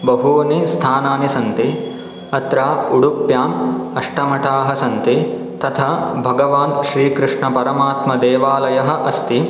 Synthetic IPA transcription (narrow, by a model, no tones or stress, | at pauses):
bɐɦuʋɐnist̪ʰaːnaːnisɐnt̪i | ɐt̪ɾaːuɽupjaːnɐʂʈɐmɐʈʰaːɦɐsɐnt̪i | t̪ɐt̪ʰɐbʱɐɡɐʋaːnʃɾiːkɾuʂɳɐpɐɾɐmaːt̪mɐd̪eːʋaːlɐjɐɦɐ̆ʔɐst̪i